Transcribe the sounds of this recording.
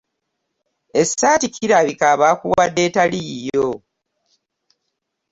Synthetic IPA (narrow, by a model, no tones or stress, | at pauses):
e̞satikʰiɾaβikaːβakuwadːe̞ːtalijjo